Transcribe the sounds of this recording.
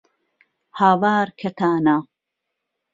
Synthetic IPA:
haːwaːɾkʰɐt̪ʰaːna

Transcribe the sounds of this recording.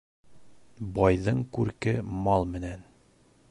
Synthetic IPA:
bɑjðɤɴkʉɾkɘmɑlˠmɘ̆næn

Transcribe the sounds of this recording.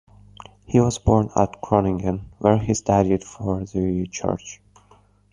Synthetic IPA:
hiwɔzbɔɹnæ̰tkʰɹɔnɪ̃ŋɡə̃nwɛɹistaɾid̥fɔɹðit͡ʃʰɜ̰ɹt͡ʃ

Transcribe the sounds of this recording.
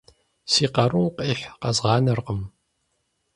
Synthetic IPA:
siːqɐɾuwqʼiːħʷqɐzʁɑːnɐrqəm

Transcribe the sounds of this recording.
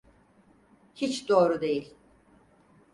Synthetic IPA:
hit͡ʃd̪o̞ːɾud̪e̞jilʲ

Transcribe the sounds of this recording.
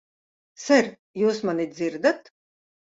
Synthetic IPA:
sɛɾ | juːsmanid̪ziɾd̪at̪

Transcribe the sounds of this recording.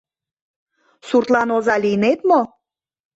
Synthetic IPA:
surt̪lɑnozɑlijnet̪mo

